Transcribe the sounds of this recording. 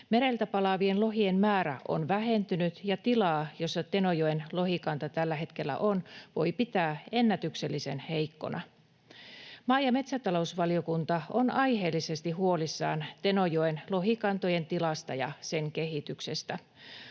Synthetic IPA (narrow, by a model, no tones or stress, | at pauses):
me̞ɾelt̪æpɑlɑʋienlo̞ɦienmæːɾæʔo̰nʋæɦe̞nt̪ynyt̪jɑt̪ilɑːjo̞sːɑt̪e̞nojoenlo̞ɦikɑnt̪ɑt̪ælːæɦe̞t̪kelːæ̰ʔo̞nʋo̞jpit̪æːe̞nːæt̪ykse̞lːise̞nhe̞jkːo̞̰nʔɑ̰ | mɑːjɑme̞t̪sæt̪ɑlo̞usʋɑlio̞kunt̪ɑonɑjɦe̞ːlːise̞st̪iɦuo̞lisːɑ̰ːnt̪e̞nojoenlo̞ɦikɑnt̪oje̞nt̪ilɑst̪ɑjɑ̰se̞ŋke̞ɦit̪yksest̪æ